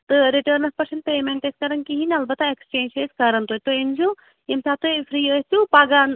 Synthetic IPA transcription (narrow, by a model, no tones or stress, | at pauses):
t̪ɨɾiʈəɾnɐfpɐɾsent̚pemeɳʈeskɐɾɐnkiɦinɐlbɐt̪aekst͡ʃeːnt͡ʃeskɐɾɐnt̪uːt̪oind͡ʒu | emsat̪ojfʰɾiːəst̪jũpaɡan